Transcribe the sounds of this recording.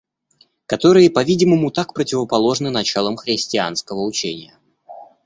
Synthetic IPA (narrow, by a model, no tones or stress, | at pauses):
kɐt̪o̞ɾɨjəpɐvʲidʲɪməmʊt̪akpɾətʲɪvəpɐlˠo̞ʐnɨnɐt͡ɕalˠəmxɾʲɪsʲtʲɪa̰nskəvəʊt͡ɕenʲɪjə